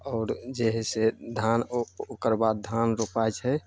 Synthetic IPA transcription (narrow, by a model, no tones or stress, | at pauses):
ɔːɾd͡ʒɛɦsed̪ʱanokəɾbad̪̚d̪ʱanɾopajt͡ʃɦɛ